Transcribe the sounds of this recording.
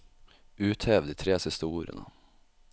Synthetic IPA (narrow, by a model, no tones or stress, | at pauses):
ʉːt̪heːʋd̪iːt̪ʰɾeːsɪst̪əuːɾə̰nə̰